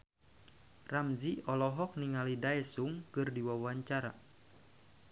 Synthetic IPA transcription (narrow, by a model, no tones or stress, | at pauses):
ramziɔlɔɦɔk̚niŋalidaɛsuŋkɨrdiwawaɲt͡ʃaɾa̰